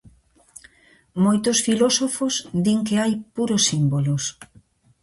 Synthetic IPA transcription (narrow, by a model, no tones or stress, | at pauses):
mojt̪ʊsfilosofozd̪iŋkeajpuɾosːimbolos